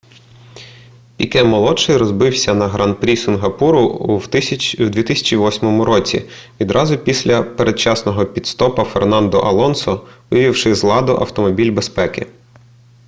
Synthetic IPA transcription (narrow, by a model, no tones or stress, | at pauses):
pʲikɛmɔlˠɔʃɪjɾɔzbɪwsʲɐnɐɦɾɐnpɾʲisɪnɦɐpuɾʊ | wd̪ʋʲit̪ɪsʲɐ̥t͡ʃiʋɔsʲmɔmʊɾɔt͡sʲḭ | ʋʲid̪ɾʔɑzʊpʲisʲlʲɐpeɾed̪̚t͡ʃɑsnɔɦɔpʲit̪st̪ɔpɐfernɑnd̪ɔʔɐlˠɔnsɔʋɪjʋʲiwʃɪzlˠɑd̪ʊʔɐ̰wt̪ɔmɔbʲilʲbespɛkɪ̰